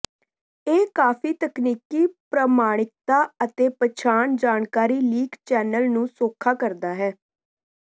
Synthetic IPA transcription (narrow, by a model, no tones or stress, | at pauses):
eːkaːpʰiːt̪əkniːkiːpɾəmaːɽ̃ɪk̚t̪aːət̪eːpət͡ʃʰaːɳd͡ʒaːɳkaːɾiːliːɡt͡ʃɛːnəlnũːsoːkʰːaːkəɾd̪aːɦɛː